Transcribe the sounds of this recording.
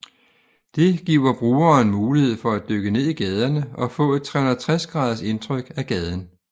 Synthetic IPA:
d̥e̝ɡ̥ḭːʊɐb̥ʁuːɐːnmuːlihe̝ð̞̰ˠfɒ̽æd̥øɡ̥əne̝ð̰ˠiɡ̥ɛːð̞ˠɐnəɒ̽fɔ̰̽e̝d̥̚t͡sʰʁɛːhunðɐð̩ˠt͡sʰʁasɡ̥ʁɑ̈ːð̞ˠɐse̝nt͡sʰʁœɡ̥æɡ̥ɛːð̞ˠn̩

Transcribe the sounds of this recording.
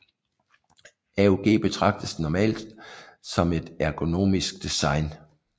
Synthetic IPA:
æoɡ̥e̝̰ːb̥e̝t͡sʰʁɑ̈ɡ̥̚d̥əsnɒmɛ̰ːld̥sɒ̽me̝d̥æɡ̥o̝no̝̰ːmisɡ̥d̥isɑ̈ɪn

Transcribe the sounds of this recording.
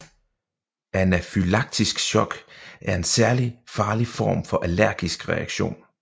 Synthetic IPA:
ʔænæfylɑ̈ɡ̥̚d̥isɡ̥ɕɒ̽ɡ̥ʔæɐe̝nsæɐlifɑ̈ːlifɒ̰ːmfɒ̽ʔælæɐ̰ɡ̥isɡ̥ʁɛ̰æɡ̥ɕo̝̰ːn

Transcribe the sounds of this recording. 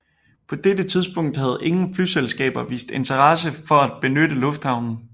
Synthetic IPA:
pʰɒ̽d̥edət͡sʰið̞ˠsb̥ɔ̽ŋ̰d̥hæð̞̩ˠe̝ŋn̩flyselsɡ̥ɛ̰ːb̥ɐʋḭːsd̥e̝nt͡sʰɐʁɑ̈səfɒ̽æd̥̚b̥e̝nød̥əlɔ̽fd̥hɑ̈ʊ̰nn̩

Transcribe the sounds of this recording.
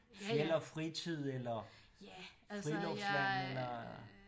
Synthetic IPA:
ffjelɐfʁit͡sʰið̞̰ˠelɐ | fʁilɒʊslɔelɐ

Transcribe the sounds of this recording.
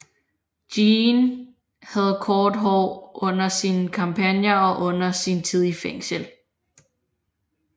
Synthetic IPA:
d̥in | hæð̞̩ˠkʰɒːd̥ɦɒʊʔɔ̽n̰ɐsinkʰɑ̈mpʰænjɐɒ̽ʔɔ̽n̰ɐsint͡sʰið̞̰ˠifeŋ̰səl

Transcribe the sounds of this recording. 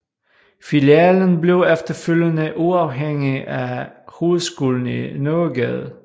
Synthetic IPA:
filiɛːlənble̝ʊefd̥ɐføljənəʔuɑ̈ʊɦeŋ̰iæho̝ːð̩ˠsɡ̥ṵːln̩ḭnɔɡ̥ɛð̩ˠ

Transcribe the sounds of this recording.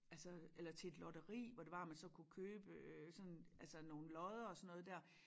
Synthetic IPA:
ʔælsəelɐt͡sʰe̝e̝d̥lɒd̥ɐʁḭːʋɒd̥e̝ʋɑ̈æmænsɒ̽kʰukʰøːb̥əøsɒ̽nælsəno̝ːn̩lɒ̽ðˠɐɒ̽sɒnɔ̽ːð̩ˠd̥æɐ̰

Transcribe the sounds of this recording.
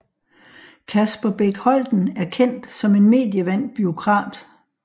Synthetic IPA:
kʰæsb̥ɐb̥eɡ̥hɒ̽ld̥n̩æɐkʰen̰d̥sɒ̽me̝nme̝̰ːd̥jəʋæn̰b̥yo̝kʰʁɑ̈ːd̥

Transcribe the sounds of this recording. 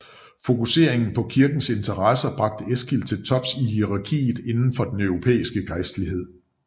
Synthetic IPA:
fo̝kuse̝̰ɐ̰e̝ŋn̩pʰɒ̽kʰiɐɡ̥n̩se̝nt͡sʰɐʁɑsɐb̥ʁɑ̈ɡ̥̚d̥əesɡ̥il̰t͡sʰe̝lt͡sʰɒ̽b̥sihiʁɑ̈kʰḭːð̩ˠe̝nn̩fɒ̽d̥enœʊʁo̝pʰḛːisɡ̥əɡ̥aɪsd̥liɦe̝ð̞̰ˠ

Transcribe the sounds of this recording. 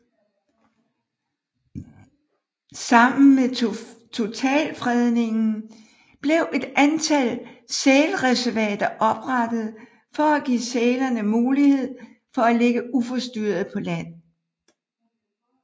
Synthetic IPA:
sɑ̈m̰n̩met͡sʰo̝t͡sʰɛ̰ːlfʁɛðˠne̝ŋn̩ | b̥le̝ʊʔe̝d̥ænt͡sʰælsɛːlʁɛsæɐʋɛːd̥ɐʔɒ̽b̥ʁɑd̥əð̞̩ˠ | fɒ̽æɡ̥ḭːsɛːlɐnəmuːlihe̝ð̞̰ˠ | fɒ̽æleɡ̥əufɒ̽sd̥yːɐð̞̩ˠpʰɒ̽læn̰

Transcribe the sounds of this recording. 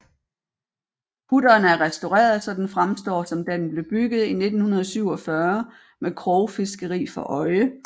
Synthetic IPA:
pʰudɐːnæɐʁɛsd̥o̝ʁɛ̰ːɐð̩ˠsɒ̽d̥ænfʁamsd̥ɒ̰ːsɒ̽md̥æd̥enb̥le̝b̥yɡ̥ð̞̩ˠine̝d̥n̩hunɐð̞ˠsyʊ̰ɒ̽fɶɐ | mekʰʁɔʊfe̝sɡ̥əʁḭːfɒ̽ʔɒ̽ɪə

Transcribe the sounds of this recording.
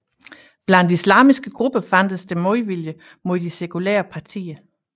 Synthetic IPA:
b̥lænd̥islɑ̰̈ːmisɡ̥əɡ̥ʁub̥əfæn̰d̥əsd̥e̝moðʋiljə | mo̝ð̰ˠd̥ise̝kʰulɛ̰ːɐpʰɑ̈t͡sʰḭːɐ

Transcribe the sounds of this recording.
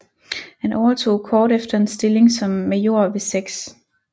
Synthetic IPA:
hænʔɒʊɐt͡sʰo̝̰ːkʰɒːɾefd̥ɐe̝nsd̥e̝le̝ŋsɒ̽mːejo̝ɐ̰ʋe̝seɡ̥s

